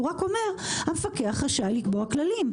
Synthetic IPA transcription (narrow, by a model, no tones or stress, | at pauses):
uʁako̞me̞ʁhamefakeaχʁaʃajlikboaklalim